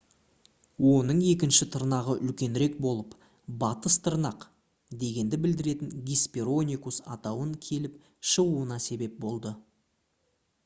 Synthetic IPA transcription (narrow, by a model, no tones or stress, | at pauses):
wo̞nəɴe̞kʲɪnʃɪt̪ʰəɾnɑʁəʔʏlkʲe̞nɾe̞k̚bo̞lˠəp | bɑt̪əst̪ʰəɾnɑq | d̪e̞ɡʲe̞nd̪ɪbɪld̪ɪɾe̞t̪ɪŋɡʲispʲeɾo̞nʲikusɑ̰t̪ɑwəŋkʲʰe̞lɪp | ʃəʁuənɑse̞be̞p̚bo̞lˠd̪ə